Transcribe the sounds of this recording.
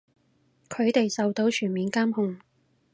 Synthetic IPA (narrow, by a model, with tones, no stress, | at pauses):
kʰɵ˨˧ɥt̪e˨jsɐ˨wt̪o˨˥wt͡ʃʰyː˨˩nmiː˨˧nkaː˥mhʊ˨ŋ